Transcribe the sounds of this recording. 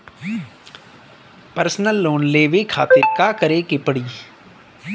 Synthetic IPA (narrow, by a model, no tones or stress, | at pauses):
pəɾsnəlːoːnleːʋeːkʰa̰ːt̪ekaːkəɾeːkepəɽiː